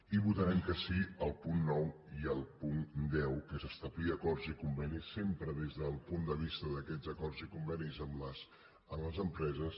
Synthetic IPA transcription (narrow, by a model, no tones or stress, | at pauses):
iβ̞ut̪əɾɛmkəsiəlˠpunːɔw | iəlˠpund̪ɛwkəsəst̪əβliəkɔrzikumbɛnisːempɾəðezðəlˠpund̪əβ̞ist̪əðəkɛzəkɔrzikumbɛnizəmləs | əmləzəmpɾɛzəs